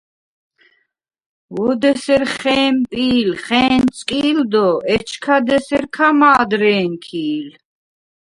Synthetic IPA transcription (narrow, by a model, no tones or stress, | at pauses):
vɔd̪ɛsɛɾχɛːmpʼiːlχɛːnt̪sʼkʼiːld̪ɔɛt͡ʃʰkʰad̪ɛsɛɾkʰamaːd̪ɾɛːŋkʰiːl